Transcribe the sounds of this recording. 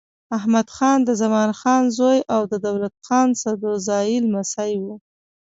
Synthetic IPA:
ahmad̪xɑnd̪əzamɑnxɑnzojawd̪əd̪awlat̪̚xɑnsad̪ozɑjɪlmasajwu

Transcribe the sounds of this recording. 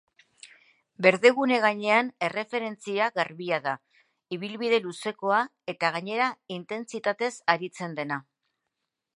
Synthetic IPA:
be̞ɾðe̞ɣune̞ɣaɲe̞ane̞re̞fe̞ɾe̞nt͡siaɣaɾβiaða | iβ̞ilβiðe̞luse̞ko̞a | e̞t̪aɣ̞aɲe̞ɾaint̪e̞nt͡sit̪at̪e̞saɾit͡se̞nd̪e̞na

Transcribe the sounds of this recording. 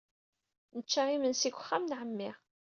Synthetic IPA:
nət͡ʃːaimənsikʷə̥χːamnʕəmːɪʁ

